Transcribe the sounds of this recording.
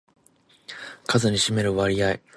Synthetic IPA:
kʰazɨɲ̟iɕime̞ɾɯ̟βaɾʲijai

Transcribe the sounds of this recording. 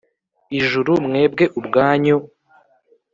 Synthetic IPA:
iʒuɾumŋe̞ːbɡe̞ʔubɡaːɲo

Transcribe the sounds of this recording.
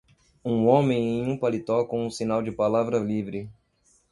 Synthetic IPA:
ũõmẽj̃ẽj̃ũpalit̪ɔkõũsinawd͡ʒɪpalavɾɐlivɾɪ

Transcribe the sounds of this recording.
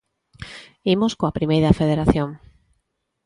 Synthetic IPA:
imoskoapɾimejɾafeð̞eɾaθjõŋ

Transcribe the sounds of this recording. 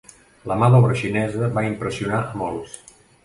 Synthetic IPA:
ləmaðɔβɾəʃinɛzəβaimpɾəsiunaʔəmɔlˠs

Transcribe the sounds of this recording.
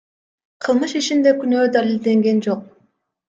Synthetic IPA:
qʰɯlˠmɯʃit͡ʃind̪e̞kynøːd̪alʲilʲd̪e̞ŋɡe̞nd͡ʒo̞q̚

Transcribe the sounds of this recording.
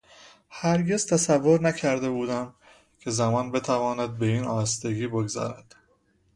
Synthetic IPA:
hæɾɟe̞z̥t̪ʰæsævːo̞ɾnæcʰæɾd̪e̞buːd̪æm | cʰezæmɒːnbe̞t̪ʰævɒːnæd̪̚be̞iːnɒːst̪eɡiːbo̞ɡzæ̰ɾæd̪̥

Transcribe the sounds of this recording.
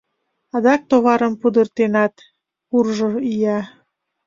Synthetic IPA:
ɑd̪ɑk̚t̪oβɑɾəmpud̪ərt̪enɑt̪ | urʒoijɑ

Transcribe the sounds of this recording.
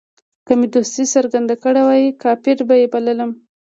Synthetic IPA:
kəmed̪ost̪isaɾɡand̪akəɽawɑjikɑpɪɾbajebalələm

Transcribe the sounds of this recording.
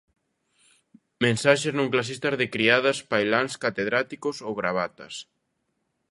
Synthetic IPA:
mẽnsaʃeznõŋklas̬ist̪ɐzðɪkɾiaðɐspajlaŋskat̪eð̞ɾat̪ikosowɣɾaβat̪ɐs

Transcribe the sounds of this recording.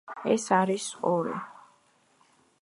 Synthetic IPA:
ɛsaɾisɔɾḭ

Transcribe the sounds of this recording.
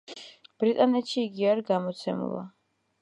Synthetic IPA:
b̥ɾit̪ʼanɛt̪ʃiːɡiaɾiɡamɔt̪sʰɛmṵlˠa̰

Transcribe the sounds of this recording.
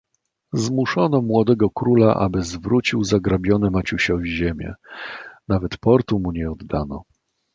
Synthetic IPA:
zmuʂɔnɔmwɔd̪ɛɡɔkɾulaʔa̰bɘzvɾut͡ɕiwzaɡɾabʲjɔnɛmat͡ɕuɕɔvʲiʑemʲjɛ̰navɛt̪pɔɾt̪umuɲɛɔd̪ːanɔ̰

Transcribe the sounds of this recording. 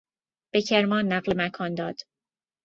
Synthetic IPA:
b̥ecʰeɾmɒːnːæɢlemækʰɒːnd̪ɒːd̪̥

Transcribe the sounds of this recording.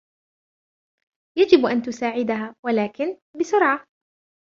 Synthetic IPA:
jad͡ʒɪbʔant̪ʊsaːʕɪd̪aɦaːwalaːkɪn | bɪsʊɾʕa

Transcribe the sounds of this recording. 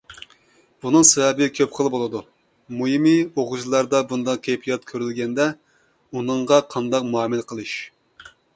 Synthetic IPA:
b̥unɨŋsɛvɛbɪkʲʰøpχəlˠbolˠɨd̪u | mujimioʁʊd͡ʒlˠɑɾd̪ɑbund̪ɑq̚kʲʰepʰijɑt̪̚kʲʰøɾylɡʲɛnd̪ɛ | unɨɴʁɑqʰɑnd̪ɑq̚muɑmɨlqʰəlˠɨʃ

